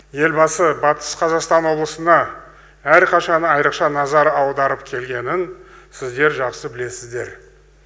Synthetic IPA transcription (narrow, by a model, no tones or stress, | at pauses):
je̞lbɑsəbɑt̪ə̥sqʰɑzɑqst̪ɑnwo̞blˠəsənɑ | æɾqʰɑʃɑnəɑjɾəqʃɑnɑzɑɾɑwd̪ɑɾəpkʲʰe̞lɡʲe̞nɪnsɪzd̪e̞ɾʒɑqsəbɪle̞sɪzd̪e̞ɾ